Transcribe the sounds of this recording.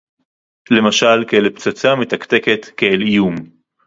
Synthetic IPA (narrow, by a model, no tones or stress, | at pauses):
le̞maʃalkeelpt͡sat͡samet̪akt̪e̞ke̞t̪keelijum